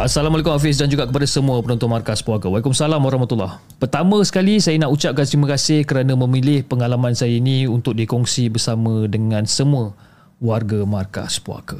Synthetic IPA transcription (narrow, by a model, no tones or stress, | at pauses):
asalamaɔlakʊmhafɪs̬dand͡ʒuɡaʔkəpadasəmũəpənɔnt̪ɔnmarkaspuakəwalikʊmsalamwaɾahmat̪ulːah | pərt̪amə̃sə̥kalisajənaʔut͡ʃap̚kansimakasɪhkəɾanamə̃milɪhpəŋalamãnsajainĩunt̪ʊk̚dikɔŋsibərsamə̃dəŋãnsəmuə | warɡamarka̰spua̰kə